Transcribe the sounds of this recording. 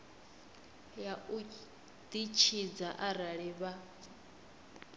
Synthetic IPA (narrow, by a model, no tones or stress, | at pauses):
jau | d̪̥it͡ʃʰid͡zaʔaɾaɺiβa